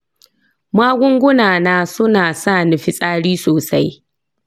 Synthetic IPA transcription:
maː˦ɡʷʊ˦ŋɡʷʊ˦naː˨naː˦sʊ˦naː˨sa˦˨nʊ˨ɸi˦sʼaː˦ɽiː˦soː˨sa˦j

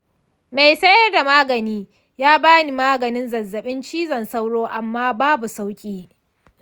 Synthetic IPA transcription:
ma˨jsɐ˦jɐ˦rda˨maː˦ɡɐ˨niː˦ | jaː˦baː˦ni˨maː˦ɡɐ˨nɪ˦nzɐ˨zːɐ˨ɓɪ˦nt͡ʃiː˦zɐ˨nsa˦wɽoː˦ʔa˨mːaː˦baː˦bu˨sa˦wkʲʼiː˦

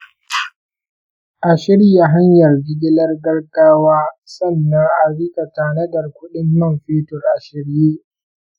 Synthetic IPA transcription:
ʔa˨ʃɪ˦ɽi˦ja˨ɦa˦ɲjɐ˨rɡɪ˦ɡʲɪ˦lɐ˦rɡɐ˦rɡaː˦waː˦sɐ˦˨nːɐ˦ŋʔa˨ɽɪ˦ka˨taː˨nɐ˦dɐ˨rkʷʊ˦ɗɪ˦mːɐ˦˨mɸiː˦tʊ˨rʔa˨ʃɪ˦ɾjeː˦

